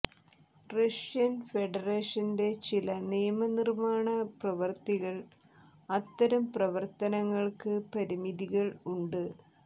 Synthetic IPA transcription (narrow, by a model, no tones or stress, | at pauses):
rɐʂjɐnfe̞ɖɐreːʂɐnde̞t͡ɕilɐnijɐmɐnirmaːɳɐprɐʋɐrt̪iɣɐɭ | ɐt̪ːɐɾɐmprɐʋɐrt̪ɐnɐŋːɐɭkɨpɐɾimiðiɣɐɭuɳɖɨ